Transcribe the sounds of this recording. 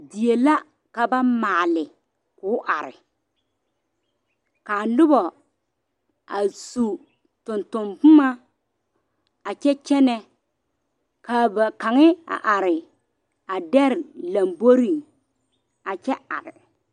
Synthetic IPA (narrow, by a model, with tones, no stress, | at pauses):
di˨je˨la˦ | ka˨ba˦maː˨lɪ˨ | kʊː˨˦ʔa˨ɾɪ̰˨ | kaː˨lʊ˦bɔ˨ | a˨su˨ | tʊ˨ntʊ˨mbʊ˦ma˦ | a˨t͡ʃɛ˦t͡ʃɛ˦nɛ˦ | kaː˨ba˨ka˨ŋɪ˦a̰˨ʔa˨ɾɪ˨ | a˨dɛ˦ɾla˨mbo˦ɾi˨ | a˨t͡ʃɛ˦a̰˨ɾɪ̰˨